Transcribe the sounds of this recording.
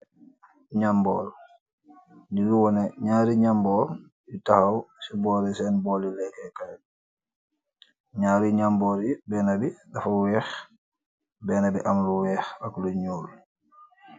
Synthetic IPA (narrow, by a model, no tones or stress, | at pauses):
ɲambɔ̰ːl | niluwɔnɛɲaːɾiɲambɔl | jutahawsibɔːɾisɛnbɔlilɛkɛkaj | ɲaːɾiɲambɔɾibɛːnabiɗafawɛːx | bɛnabiʔamluwɛːxakluɲoːl